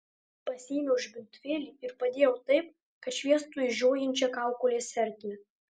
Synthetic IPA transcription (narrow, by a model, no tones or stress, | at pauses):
pɐsʲiːmʲɛʊʒʲbʲɪnʲt̪ʲʋʲeːlʲiːɪɾpɐd̪ʲeːjɛʊt̪ɐɪp̚ | kɐt̪ʃʲʋʲiɛst̪uːɪʒʲoːjɛnʲt͡ʃʲɛkɑˑʊkolʲeːsʲɛɾʲt̪ʲːɛ